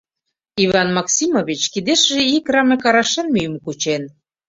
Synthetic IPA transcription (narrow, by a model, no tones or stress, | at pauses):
iβɑnmɑksʲimoβit͡ɕkid̪eʃʒeikrɑmekɑɾɑʃenmyjmkut͡ɕen